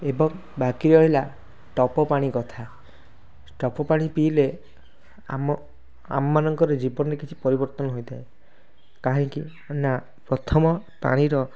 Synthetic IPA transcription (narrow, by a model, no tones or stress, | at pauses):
ebɔŋ | bakiɾɔɦila | ʈɔpɔpaɽ̃ikɔt̪ʰa | ʈɔpɔpaɽ̃ipile | m | a̰mɔmanɔŋkɔɾed͡ʒibɔnɔɾekit͡ʃʰipɔɾibɔɾt̪ɔnɔɦojd̪ae | kaɦĩŋki | na | pɾɔt̪ʰɔmɔ | pa̰ɽ̃iɾɔ